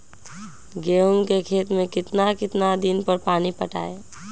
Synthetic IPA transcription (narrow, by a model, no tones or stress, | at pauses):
ɡeːomkekʰeːt̪mẽkɪt̪nakɪt̪nad̪ɪnpəɾpaːnipəʈa̰ːe